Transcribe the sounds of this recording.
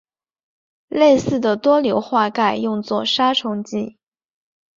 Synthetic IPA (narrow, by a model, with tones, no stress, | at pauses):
le˥˧ɪsɹ̩˥˩d̪ə˩t̪wɔ˥ljo˧˥ʊxwa˥˧ka˥˩ɪjʊ˥˧ŋt͡swɔ˥˩ʂa˥ʈ͡ʂʰʊ˧˥ŋt͡ɕi˥˩